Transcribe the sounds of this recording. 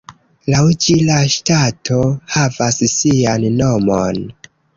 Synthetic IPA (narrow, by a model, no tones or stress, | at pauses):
lawd͡ʒilaʃtatʰo̞havassianːo̞mo̰n